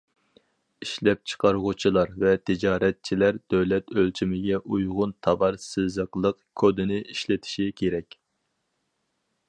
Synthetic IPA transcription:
iʃlɛp̚t͡ʃʰə̥qʰɑɾʁʊt͡ʃʰilˠɑɾvɛt̪ʰɪd͡ʒɑːɾɛt̪̚t͡ʃʰilæɾd̪̥øwlɛt̪ølt͡ʃʰimɪɡʲɛʔujʁʊnt̪ʰɑbɑɾsɨzəqlˠəqkʰod̪ɪnɪʔiʃlɪt̪ʰɪ̥ʃikʲʰeɾɛkʲ

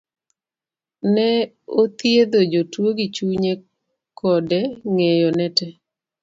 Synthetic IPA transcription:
nɛ | ot̪jed̪od͡ʒotwoɡit͡ʃuɲe | kʰɔdɛŋejonɛtɛ

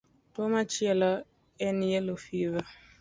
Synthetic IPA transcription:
tomat͡ʃjɛla | ɛnijɛlofiva

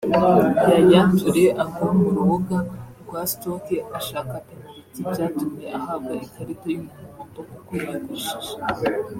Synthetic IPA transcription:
jajaːnvuɾeʔakamuɾuβuɡaɡwastokeaʃakate | ibɟaːtumjeʔahab̚ɡaʔikʰaɾitojumuukoːmbakukujiɡiʃiʒḁ

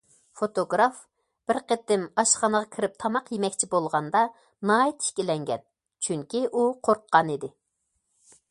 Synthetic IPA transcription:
fot̪oɡɾɑf | b̥ɪɾqət̪ːɪmɑʃχɑnəʁɑkʲʰiɾɪp̚t̪ʰɑmɑqjemɛkʲt͡ʃʰibolˠʁɑnd̪ɑ | nɑːit̪ʰi̥ʃkʲilɛŋɡʲɛ̰n | t͡ʃʰyŋkʲiʔuqʰoɾqʰːɑnid̪ɪ

